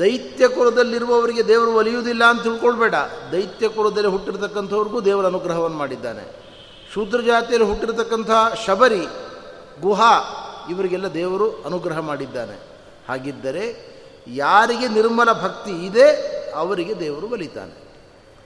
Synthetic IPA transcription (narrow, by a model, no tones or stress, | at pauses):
d̪ɐjt̪jɐkuɾɐd̪ɐlːiɾuʋɐːʋɐɾiɡe̞d̪ɛːʋɐɾuʋɐlijuːd̪ilːɐːnt̪ɐilkoɭɐbɛːɽɐd̪ɐjt̪jɐkɔɾɐd̪ɐlːiɦuʈːiɾt̪ɐkːɐnt̪ʰɐʋɐɾiɡuːd̪ɛːʋɐɾɐnuɡɾɐɦɐʋɐnːɐmaːɽid̪ːa̰ːne̞̰ | ʃud̪ɾɐd͡ʒaːt̪ijɐlːiɦuʈːiɾt̪ɐkːɐnt̪ʰɐɦʃɐbʱɐɾi | ɡuɦaiʋɐɾiɡɛlːɐd̪ɛːʋɐɾuɐnuɡɾɐɦɐmaːɽid̪ːaːne̞̰ | haːɡid̪ːɐɾe̞ | jaːɾiɡe̞niɾmɐlɐbʱɐkt̪iːd̪e̞ɐʋɐɾiɡe̞d̪ɛːʋɐɾuʋɐlit̪a̰ːnḛ